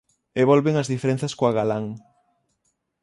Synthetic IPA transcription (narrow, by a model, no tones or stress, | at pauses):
eβɔlβeŋɐzðifeɾẽn̟θɐskoaɣalaŋ